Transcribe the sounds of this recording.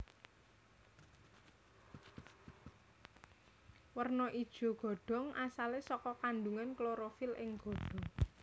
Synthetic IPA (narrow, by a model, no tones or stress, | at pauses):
wərnɔʔid̥ʒ̥ɔ̤ɡ̥ɔ̤ɖ̥ɔ̤ŋasalesɔkɔkanɖuŋankloɾofilɪŋɡ̥ɔ̤ɖ̥ɔ̤ŋ